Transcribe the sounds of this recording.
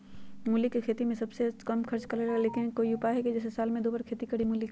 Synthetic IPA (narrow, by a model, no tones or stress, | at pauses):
mulikːekʰeːt̪imẽsɐbsekɐmkʰɐɾt͡ʃkɐɾeɾɐaleːkɪnkoːiʊpaɦɛkid͡ʒɛːs̬esaːlmẽd̪oːbəɾkʰeːt̪ikɐɽimʊːlik